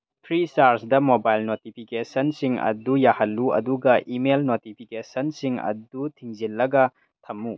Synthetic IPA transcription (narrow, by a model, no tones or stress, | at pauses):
tʰɾisaɾsdɐmobajlnotipʰikesɐnsiŋɐ̰dujahɐlːuɐ̰duɡɐʔimelnotipʰikesɐnsiŋɐ̰dutʰiŋzilːɐɡɐ | tʰɐmːu